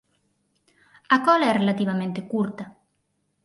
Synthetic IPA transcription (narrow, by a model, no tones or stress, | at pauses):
akɔlaɛrelat̪iβ̞amẽnt̪ekuɾt̪a